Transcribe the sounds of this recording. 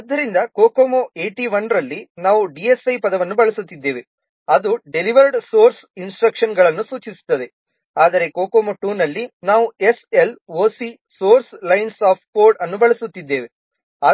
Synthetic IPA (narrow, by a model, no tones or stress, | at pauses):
ɐd̪ːɐɾind̪ɐkoːkoːmoʔeːʈiʋɐnɾɐlːinaːʋuɖiesɐjpɐd̪ɐʋɐnːubɐɭɐsut̪ːid̪ːe̞ːʋe | ɐd̪uɖeliʋɐɾɖsoːɾs | insʈɾɐkʂɐnɡɐɭɐnːusuːt͡ʃisu̥t̪ːɐd̪e̞ | aːd̪ɐɾe̞koːkoːmoʈuːnɐlːinaːʋue̞se̞loːsi | so̞ːɾslɐjnsaːp̚ʰʈ̚koːɾɖɐnːubɐɭɐsut̪ːid̪ːe̞ːʋe̞ | aː